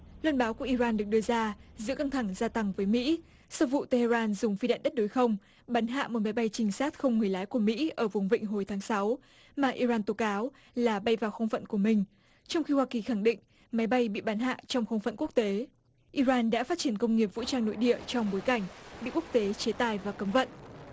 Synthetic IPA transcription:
lwə˧nɓaː˨˦wku˧˩əʔi˧ɾaː˧nɗɨ˨˩ək̚ɗɨ˧əzaː˧zɨ̰˧˥ka˧ŋt̪ʰa˧˩ŋzaː˧t̪a˧ŋvəː˨˦jmḭ˧˥ | sɔ˧wvṵ˧˨t̪e˧he˧zaː˧nzʊ˨˩ŋ͡mfi˧ɗa̰ː˧˨nɗə˦˥t̚ɗo˨˦jxə˧wŋ͡m | ɓa˨˦nɦa̰ː˧˨mo˨˩t̚ma˨˦jɓa˧jt͡ɕï˨˧ŋ̟saː˦˥t̚xə˧wŋ͡mŋɨ˨˩əjlaː˨˦jku˧˩əmḭ˧˥ʔəː˧˩vʊ˨˩ŋ͡mvḭ˧˨ŋ̟ɦo˨˩jt̪ʰaː˨˦ŋsa˨˦w | maː˨˩ʔi˧zaː˧nt̪o˨˦kaː˨˦w | laː˨˩ɓa˧jvaː˨˩wxə˧wŋ͡mfə̰˧˨nku˧˩əmï˨˩ŋ̟ | t͡ɕɔ˧wŋ͡mxi˧hwaː˧ki˨˩xa˧˩ŋɗḭ̈˧˨ŋ̟ | ma˨˦jɓa˧jɓḭ˧˨ɓa˨˦nɦa̰ː˧˨t͡ɕɔ˧wŋ͡mxə˧wŋ͡mfə̰˧˨nku˦˥k̚t̪e˨˦ | ʔi˧zaː˧nɗa̰ː˧˥faː˦˥t̚t͡ɕi˧˩ənkə˧wŋ͡mŋi˨˩əp̚vṵ˧˥t͡ɕaː˧ŋno̰˧˨jɗḭ˧˨ət͡ɕɔ˧wŋ͡mɓo˨˦jka˧˩jŋ̟ɓḭ˧˨ku˦˥k̚t̪e˨˦t͡ɕe˨˦t̪aː˧˨˩jvaː˨˩kə˨˦mvə̰˧˨nʔ

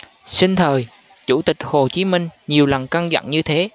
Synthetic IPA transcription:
si˧ŋ̟t̪ʰəː˨˩j | t͡ɕṵ˧˩t̪ï˨˩k̟̚ho˨˩t͡ɕi˨˦mï˧ŋ̟ɲi˨˩əwlə˨˩nka˧ŋza̰˧˨ŋɲɨ˧t̪ʰe˨˦

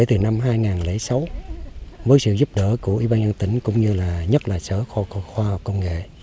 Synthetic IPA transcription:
e˧˥˩t̪ɨ˨˩na˧mɦaː˧jŋaː˨˩nle˧˥sa˨˦w | vəː˨˦jsɨ̰˧˨zu˦˥p̚ɗə̰ː˧˥ku˧˩əʔḭ˧˦ɓaː˧nzə˧nt̪ï˧˩˦ŋ̟kʊ̰˧˥wŋ͡mɲɨ˧laː˨˩ɲə˦˥t̚laː˨˩səː˧˩xɔ˧kxwaː˧ha˨˩k͡p̚kːə˧wŋ͡mŋḛ˧˨

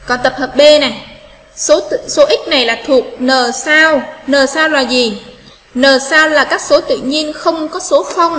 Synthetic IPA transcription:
kɔ˨˩nt̪ə˨˩p̚həː˨˩p̚ɓe˧na˨˩ | so˨˦˧so˨˦ʔï˦˥k̚na˨˩jlaː˨˩t̪ʰu˨˩ək̚nəː˨˩saː˧wnəː˨˩saː˧wlaː˨˩zi˨˩ | nəː˨˩saː˧wlaː˨˩kaː˦˥k̚so˨˦t̪ɨ̰˧˨ɲi˧ənxə˧wŋ͡mkɔ˨˦so˨˦xə˧wŋ͡m

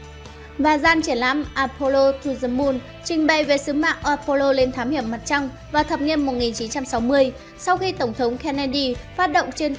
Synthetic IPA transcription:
vaː˨˩zaː˧nt͡ɕi˧˩ənla̰ː˧˥mʔaː˧˩po˧lo˧t̪ʰu˧zə˧mu˧n | t͡ɕï˧ŋ̟ɓə˨˧˩jve˨˩sɨ˨˦ma̰ː˧˨ʔʔaː˧po˧lo˧le˧nt̪ʰaː˨˦mhi˧˩əmːa˨˩t̚t͡ɕa˧wŋ͡m | vaː˨˩t̪ʰəː˨˩p̚ɲi˧ənmo˨˩t̚ŋi˨˩nt͡ɕi˨˦nt͡ɕa˧msa˨˦wmɨ˧əj | sa˧wxi˧t̪ə˧˩ŋ͡mt̪ʰə˨˦wŋ͡mkʰɛ˧nɛ˧ɗi˧faː˦˥t̚ɗə̰˧˨wŋ͡mt͡ɕe˧n

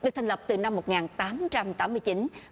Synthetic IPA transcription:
ɗɨ˨˩k̚t̪ʰa˨˩ŋ̟lə˨˩p̚t̪ɨ˨˩na˧mːo˨˩t̚ŋaː˨˩nt̪aː˨˦mt͡ɕa˧mt̪aː˨˦mːɨ˧əjt͡ɕi˨˦n

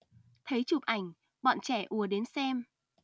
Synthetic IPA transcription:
t̪ʰə˨˦jt͡ɕu˨˩p̚ʔa˧˩jŋ̟ | ɓɔ̰ː˧˨nt͡ɕɛ˧˩ʔu˨˦˩əɗe˨˦nsɛ˧m

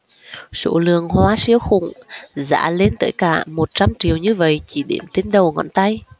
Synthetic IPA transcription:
so̰˧˥lɨ̰˧˨əŋhwaː˨˦si˨˦əwxʊ˨˩ŋ͡mza̰ː˧˥le˧˦nt̪ə̰ː˧˩jkaː˧˩mo˨˩t̚t͡ɕa˧mt͡ɕi˨˩əwɲɨ˧və̰˧˨jt͡ɕi˧˩ɗe˧˩mt̪e˨˦nɗə˨˩wŋɔ̰˧˩nt̪a˧j

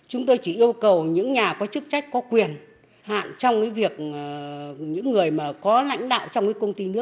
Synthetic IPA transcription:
t͡ɕʊ˨˦ŋ͡mt̪o˧jt͡ɕi˧˩ʔi˧əwkə˨˩wɲɨ̰˧˥ŋɲaː˨˩kɔ˨˦t͡ɕɨ˦˥k̚t͡ɕa˦˥jk̟̚kɔ˨˦kwi˨˩ən | ha̰ː˧˨nt͡ɕɔ˧wŋ͡mkaː˨˦jvi˨˩ək̚ | ɲɨ̰˧˥ŋːɨ˨˩əjmaː˨˩kɔ˨˦la̰˧˥jŋ̟ɗa̰ː˧˨wt͡ɕɔ˧wŋ͡mkaː˨˦kə˧wŋ͡mt̪i˧nɨ˦˥ək̚

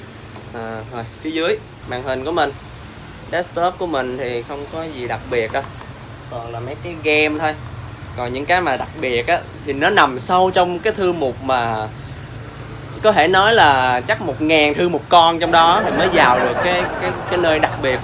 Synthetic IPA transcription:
ʔəː˨˩ho˧˩jfi˨˦əzɨ˨˦əj | ɓa̰ː˧˨ŋhï˨˩nku˧˩əmï˨˩ŋ̟ | ɗɛ˦˥st̪ɔ˦˥p̚ku˧˩əmï˨˩ŋ̟t̪ʰi˨˩xə˧wŋ͡mkɔ˨˦zi˨˩ɗa˨˩k̚ɓi˨˩ət̚ʔəː˨˧˦ | kɔ˨˩ŋlaː˨˩mə˨˦jkaː˨˦jɣɛ˧mt̪ʰo˧j | kɔ˨˩nɲɨ̰˧˥ŋkaː˨˦jmaː˨˩ɗa˨˩k̚ɓi˨˩ət̚ʔaː˨˦t̪ʰi˨˩nɔ˨˦na˨˩msa˧wt͡ɕɔ˧wŋ͡mkaː˨˦jt̪ʰɨ˧mu˨˩k͡p̚maː˨˩ | kɔ˨˦t̪ʰe˧˩nɔ˨˦jlaː˨˩t͡ɕa˦˥k̚mo˨˩t̚ŋaː˨˩nt̪ʰɨ˧mo˨˩t̚kɔ˧nt͡ɕɔ˧wŋ͡mɗɔ˨˦t̪ʰi˨˩məː˨˦jzaː˨˩wɗɨ˨˩əkːaː˨˦jkaː˨˦jkːaː˨˦jnəː˧jɗa˨˩k̚ɓi˨˩ət̚

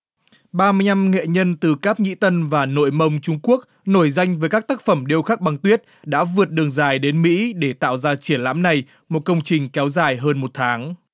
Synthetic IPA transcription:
ɓaː˧mɨ˧əjna˧mŋḛ˧˨ɲə˧nt̪ɨ˨˩kaː˦˥p̚ŋḭ˧˥t̪ə˧nvaː˨˩no̰˧˨jmə˧wŋ͡mt͡ɕʊ˧ŋ͡mku˦˥ək̚ | no˧˩jza˧jŋ̟vəː˨˦jkaː˦˥k̚t̪aː˦˥k̚fə˧˩mɗi˧əwxaː˦˥k̚ɓa˨˩ŋt̪wi˦˥ət̚ɗa̰ː˧˥vɨ˨˩ət̚ɗɨ˨˩əŋzaː˨˩jɗe˨˦nmḭ˧˥ɗe˧˩t̪a̰ː˧˨wzaː˧t͡ɕi˧˩ənla̰ː˧˥mna˨˩j | mo˨˩t̚kə˧wŋ͡mt͡ɕï˨˩ŋ̟kɛ˨˦wzaː˨˩jɦəː˧nmo˨˩t̚t̪ʰaː˨˦ŋ

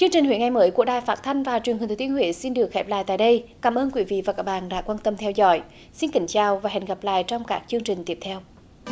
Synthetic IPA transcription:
t͡ɕɨ˧ŋt͡ɕï˨˩ŋ̟hwi˨˦ŋa˨˩jməː˨˦jku˧˩əɗaː˨˩jfaː˦˥t̚t̪ʰa˧jŋ̟vaː˨˩t͡ɕwi˨˩nhi˨˩t̪ʰːi˧əhwḭ˧˨˦si˧nɗɨ˨˩əkxɛ˦˥p̚la̰ː˧˨jt̪a̰ː˧˨jɗə˧jkaː˨˦mʔəː˧nkwi˨˦vḭ˧˨vaː˨˩kaː˨˦˥k̚ɓa̰ː˧˨nɗa̰ː˧˥kwaː˧nt̪ə˧mt̪ʰɛ˧wzɔ̰˧˦j | si˧nkï˨˦ŋ̟t͡ɕaː˨˩wvaː˨˩ɦɛ̰˨˧˨nɣa˨˩p̚la̰ː˧˨jt͡ɕɔ˧wŋ͡mkaː˦˥k̚t͡ɕɨ˧əŋt͡ɕi˨˩ŋ̟t̪i˦˥əp̚t̪ʰɛ˧w

